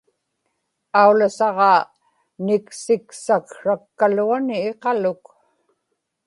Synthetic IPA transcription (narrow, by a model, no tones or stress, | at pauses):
aulasɑʁɑ | nɪksɪksakʂakːaluanɪːqɑlʊk